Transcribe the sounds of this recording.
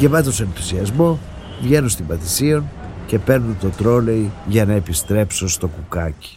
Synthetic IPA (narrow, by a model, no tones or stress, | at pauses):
ʝevɐt̪osenθusiɐzmo̞ | vʝe̞nunst̪imbɐθisio̞nce̞pe̞ɾnunt̪o̞t̪ɾo̞le̞iʝɐnɐepist̪ɾe̞pso̞st̪o̞kukɐci̥